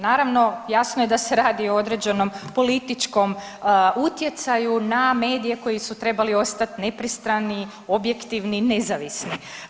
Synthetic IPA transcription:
naːɾaʋno̞jasnoje̞d̪ase̞ɾaːd̪ioo̞d̪ɾed͡ʒeno̞mpo̞lit̪it͡ʃko̞m | ut̪je̞t̪sajuname̞ːd̪ije̞ko̞jisut̪ɾe̞balio̞st̪at̪ne̞pɾist̪ɾani | o̞bje̞kt̪iʋnine̞zaʋisni

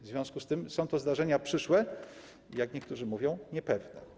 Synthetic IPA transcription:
vzvʲjɔ̃w̃skust̪ɘmsɔ̃w̃t̪ɔzd̪aʐɛɲapʂɘʂwɛ | jakɲɛkt̪uʐɘmuvʲjɔ̃w̃ɲɛpɛvnɛ̰

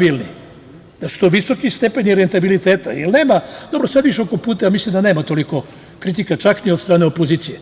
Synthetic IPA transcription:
bilnḭ | d̪̥asu̥t̪oʋiso̞kist̪epe̞ɲniɾent̪abilit̪eːt̪a̰jelne̞ːmad̪o̞bɾosad̪ʋiʃokopuːt̪̬ajamislimd̪aneːmat̪o̞liko̞ | kɾit̪ikat͡ʃakniod̪st̪ɾaːne̞opo̞ziːt̪sije

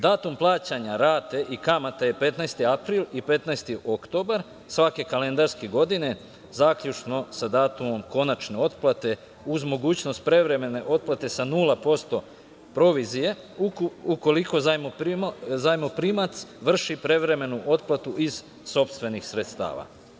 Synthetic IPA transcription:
d̪aːt̪umplˠaːt͡ɕaɲaɾaːt̪e̞ʔikamat̪aje̞pe̞t̪najst̪iapɾilipe̞t̪najst̪iʔo̞kt̪o̞baɾ | sʋake̞kale̞nd̪aɾskeɡo̞d̪ine̞ | zaːkʎut͡ʃno̞sad̪aːt̪umo̞mko̞nat͡ʃne̞o̞t̪plˠat̪e̞ | uzmo̞ɡuːt͡ɕno̞st̪̚pɾe̞ʋɾe̞me̞ne̞ʔo̞t̪̚plat̪e̞sanuːlˠapo̞st̪o̞ | pɾo̞ʋizije̞ | uko̞liko̞zajmozajmopɾimat̪sʋr̩ʃipɾe̞ʋɾe̞me̞nuʔo̞t̪plˠat̪uʔiz̥ | so̞pst̪ʋe̞nixsɾe̞t̪st̪a̰ːʋa̰

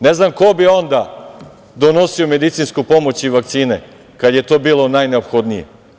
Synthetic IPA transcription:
neznamko̞bio̞nd̪a | d̪o̞no̞siome̞d̪it̪sinskupo̞mot͡ɕiʋakt̪siːne | kad̪je̞t̪o̞ːbiːlo̞najneopxo̞d̪nijḛ

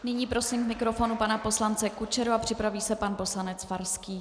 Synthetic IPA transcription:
nɪɲiːpɾo̞siːmvmɪkɾo̞fo̞nupanapo̞slant͡sɛkut͡ʃɛɾoapr̝̥ɪpɾaviːsɛpanpo̞slanɛt͡sfaɾskiː

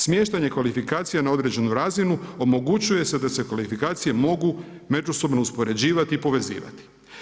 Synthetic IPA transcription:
smje̞ːʃt̪aɲe̞kʋalifikaːt̪sijanao̞d̪ɾe̞d͡ʑe̞nuɾaːzinuo̞mo̞ɡut͡ɕuje̞se̞d̪ase̞kʋalifikaːt̪sije̞mo̞ɡume̞d͡ʒuso̞bno̞uspo̞ɾe̞d͡ʑiːʋat̪iːpo̞ʋe̞zḭːʋa̰t̪i̥

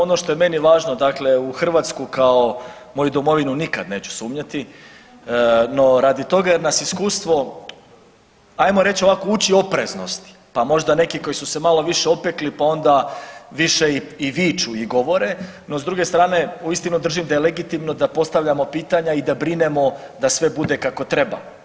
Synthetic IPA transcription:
o̞no̞ʃt̪o̞jeme̞niʋaːʒno̞d̪akle̞uxr̩ʋaːt̪skukao | mo̞jud̪omo̞ʋinunikad̪ne̞ːt͡ɕu̥suːmɲat̪i | no̞ɾaːd̪it̪o̞ɡajeɾnasiskuːst̪ʋo̞ | ajmoɾe̞t͡ɕo̞ʋakout͡ɕio̞pɾezno̞st̪i̥pamo̞ʒd̪ane̞kiko̞jisuse̞malo̞ʋiʃeo̞peklipao̞nd̪aʋiʃeiiʋiːt͡ʃuiɡo̞ʋo̞ɾe̞ | no̞zd̪ɾuɡe̞st̪ɾaːne̞uist̪inud̪r̩ʒimd̪ajeleɡit̪imno̞d̪apo̞st̪aʋʎamo̞piːt̪aɲaid̪abɾine̞mo̞d̪asʋe̞bud̪e̞kako̞t̪ɾe̞ba̰

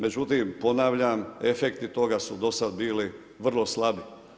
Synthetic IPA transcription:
me̞d͡ʑut̪iːmpo̞naʋʎame̞fekt̪it̪o̞ɡasud̪o̞sad̪biːli | ʋr̩lˠo̞slˠabi

